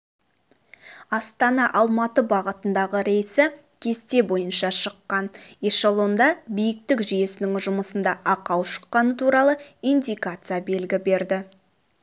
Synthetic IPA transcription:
ɑst̪ɑnɑʔɑlˠmɑt̪əbɑʁət̪ənd̪ɑʁəɾe̞jsɪ | kʲʰe̞st̪e̞bo̞jənʃɑʃəqːɑneʃɑlˠo̞nd̪ɑbijɪk̚t̪ɪkʒije̞sɪnɪŋʒʊməsənd̪ɑʔɑqɑwʃə̥qːɑnət̪ʰuɾɑlˠəijnd̪ʲijkat̪sɨjabe̞lɡʲɪbe̞ɾd̪ɪ

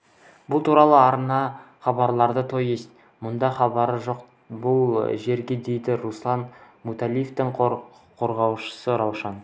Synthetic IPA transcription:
bʊlˠt̪ʰuɾɑlˠəɑɾnɑχɑbɑɾlˠɑɾd̪ət̪ʰo̞jest̪ | mʊnd̪ɑχɑbɑɾəʒo̞q | bʊlˠʒe̞ɾɡʲe̞d̪e̞jd̪ɪɾuslˠɑn | mut̪alʲijft̪ɪŋ | qʰo̞ɾʁɑwʃə̥səɾɑwʃɑn

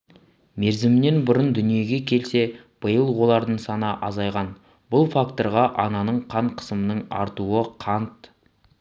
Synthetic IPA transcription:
me̞ɾzɪmne̞nbʊɾənd̪ʏnije̞ɡʲe̞kʲʰe̞lse̞ | b̥əjəlˠwo̞lˠɑɾd̪əɴsɑnəʔɑzɑjʁɑn | b̥ʊlˠfakt̪o̞ɾʁɑʔɑnɑnəɴqʰɑɴqʰə̥səmənəɴɑ̰ɾt̪uəqʰɑnt̪

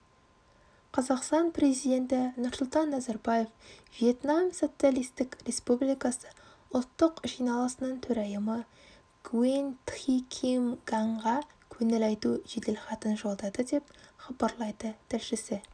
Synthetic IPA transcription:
qʰɑzɑqst̪ɑnpre̞zijd̪e̞nt̪ɪnʊɾsʊlˠt̪ɑnːæzɑɾbaje̞fvije̞t̪namso̞t̪sijalijst̪ɪkre̞spublijkɑsə̥ | ʊlˠt̪ːəqʒijnɑlˠəsənəɴt̪ʰɵɾɑjəmə | ɡuwent̪χikʲʰimɡɑɴʁɑkʲʰɵnelɑjt̪uʒed̪e̞lχɑt̪ənʒo̞lˠd̪ɑd̪əd̪e̞pχɑbɑɾlˠɑjd̪ət̪ʰɪlʃɪsɪ

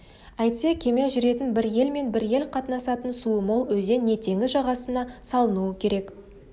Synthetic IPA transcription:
æjt̪se̞kʲʰe̞meʒʏɾe̞t̪ɪnbɪɾje̞lme̞nbɪɾje̞lqʰɑt̪nɑsɑt̪ənsuəmolˠwɵze̞nːet̪ʰe̞ŋɪzʒɑʁɑsənɑsɑlˠənuəkʲʰe̞ɾe̞k

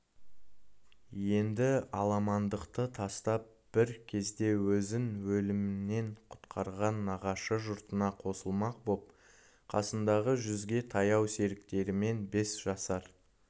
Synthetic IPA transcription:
je̞nd̪ɪɑlˠɑmɑnd̪əqt̪ət̪ʰɑst̪ɑp̚ | b̥ɪɾkʲʰe̞zd̪e̞wɵzɪnwɵlɪmɪnːe̞ɴqʰʊ̥t̪qʰɑɾʁɑnːɑʁɑʃəʒʊɾt̪ənɑqʰo̞səlˠmɑq̚bop̚ | qʰɑ̰sənd̪ɑʁəʒʏzɡʲe̞t̪ʰɑjɑwse̞ɾɪkt̪e̞ɾɪme̞nbe̞sʒ̥ɑsɑɾ

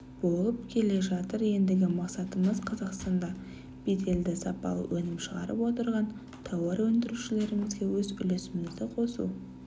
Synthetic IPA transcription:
b̥o̞lˠəp̚kʲʰe̞le̞ʒɑt̪əɾje̞nd̪ɪɡʲɪmɑqsɑt̪əməzqʰɑzɑqst̪ɑnd̪ɑ | b̥et̪e̞ld̪ɪsɑpɑ̰lˠə̰wʔɵnɪmʃəʁɑɾə̰pwo̞t̪əɾʁɑn | t̪ʰɑwɑɾwɵnd̪ɪɾuʃɪle̞ɾɪŋɪzɡʲe̞wɵzʏ̰le̞sɪmɪzd̪ɪqʰo̞sṵ

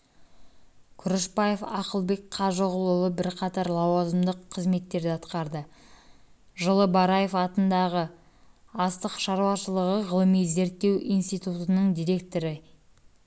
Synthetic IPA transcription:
kʲʰʏɾɪʃpɑjefɑ̰qəlˠbe̞kqʰɑʒəʁəlˠʊlˠəbɪɾqʰɑt̪ɑɾlˠɑwɑzəmd̪əqʰːəzme̞t̪ːe̞ɾd̪ɪɑt̪qɑɾd̪ə | ʒəlˠəbɑɾɑje̞fɑt̪ənd̪ɑʁə | ɑst̪əqʃɑɾuɑʃəlˠəʁəʁəlˠəmijze̞ɾt̪ːe̞wʔḭjnst̪ijt̪ut̪ənəɴd̪ijɾe̞k̚t̪o̞ɾɪ

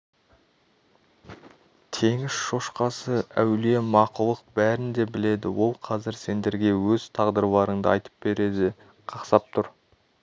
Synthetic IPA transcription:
t̪ʰe̞ŋɪz̥ʃo̞ʃqɑsəæwle̞mɑqʊlˠəq̚bæɾɪnd̪e̞bɪle̞d̪ɪwo̞lˠqʰɑzɪɾse̞nd̪e̞ɾɡʲe̞wɵz̥t̪ʰɑʁd̪əɾbˠɑɾəɴd̪ə̰ɑjt̪ə̥p̚be̞ɾe̞d̪ɪ | qʰɑqsɑp̚t̪ʰʊɾ

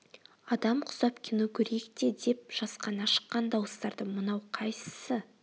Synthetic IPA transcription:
ɑd̪ɑmqʰʊ̥zɑpkʲʰinukʲʰɵɾekt̪e̞d̪e̞p̚ʒ̥ɑsqɑnɑʃə̥qːɑnd̪ɑwəst̪ɑɾd̪əmənɑwqʰɑjsə̥sə

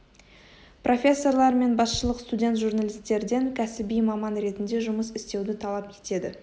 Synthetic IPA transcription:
pro̞fʲe̞sːo̞rlˠɑɾme̞nbɑsʃəlˠəqst̪udʲe̞nt̪ʒurnɑlʲijst̪e̞ɾɪd̪eŋkʲʰæsɪbijmɑmɑnɾe̞t̪ɪnd̪e̞ʒʊməsɪst̪e̞wd̪ɪt̪ʰɑlˠɑpe̞̥t̪e̞d̪ɪ

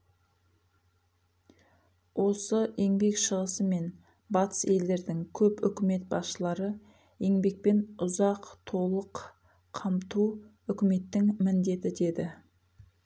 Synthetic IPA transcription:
wʔo̞səe̞ŋbe̞kʃəʁəsəme̞n | bɑt̪ə̥se̞ld̪e̞ɾd̪ɪŋkʲʰɵpʏ̰kʲɪme̞t̪̚bɑsʃəlˠɑɾə | e̞ŋbe̞k̚pe̞nʊzɑqt̪ʰo̞lˠəqʰ | ɑmt̪u | ʏkʲɪme̞t̪ːɪŋmɪnd̪e̞t̪ɪd̪e̞d̪ɪ

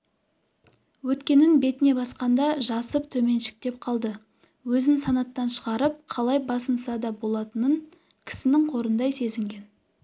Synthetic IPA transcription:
wɵt̪kʲe̞nɪnbe̞t̪ɪne̞bɑsqɑnd̪ɑʒɑsəpt̪ʰɵme̞nʃɪ̥k̚t̪e̞p̚qʰɑlˠd̪ə | wɵzɪnsɑnɑt̪ːɑnʃəʁɑɾəp̚qʰɑlˠɑjbɑsənsɑd̪ɑbo̞lˠɑt̪ənəŋ | kʲʰɪ̥sɪnɪŋqʰo̞ɾənd̪ɑjse̞zɪŋɡʲe̞n

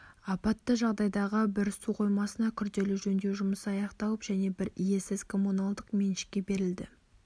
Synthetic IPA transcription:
ɑpɑt̪ːəʒɑʁd̪ɑjd̪ɑʁəbɪɾsuqʰo̞jmɑsənɑkʲʰʏɾd̪e̞lɪʒɵnd̪ewʒʊməsɑjɑqt̪ɑwəpʒ̥æne̞bɪɾije̞sɪzkʰo̞munalˠd̪əqme̞nʃɪ̥k̚ʲːe̞be̞ɾɪld̪ɪ̰

